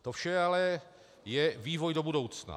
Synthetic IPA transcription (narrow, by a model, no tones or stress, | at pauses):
t̪ofʃɛalɛ | jɛviːvojdo̞budo̞wt͡sna̰